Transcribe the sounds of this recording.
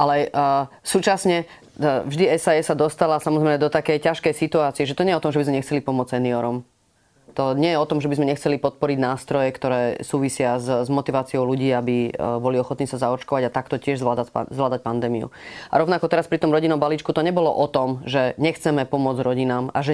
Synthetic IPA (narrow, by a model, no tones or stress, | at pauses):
ʔalɛsuːt͡ʃasɲɛ | vʒd̪iɛsaɛsad̪ɔst̪alasamɔzɾɛɪmɛd̪ɔt̪akɛjcaʃkɛjsit̪uaːt͡siɛʒɛt̪ɔɲɛjɛɔt̪ɔ̃mʒɛbizmɛɲɛxt͡sɛlipɔmʊɔt͡ssɛniɔɾɔm | t̪ɔɲɛjɛɔt̪ɔmʒɛbizmɛɲɛxt͡sɛlipɔt̪̚pɔɾiɟnaːst̪ɾɔjɛkt̪ɔɾɛːsuːʋisɪazzmɔt̪iʋaːt͡siɔʊluɟiːabibɔliɔxɔt̪niːsazaɔt͡ʃkɔʋaɟat̪akt̪ɔcɪɛʒzʋlad̪aa̰zʋlaːd̪ac̚pand̪ɛːmiṵa̰ɾɔʋnakɔt̪ɛɾaspɾit̪ɔmɾɔɟinɔmbaliːt͡ʃkut̪ɔɲɛbɔlɔ̰ʔɔt̪ɔmʒɛɲɛxt͡sɛmɛpɔmʊɔd͡zɾɔɟinaːma̰ʒɛ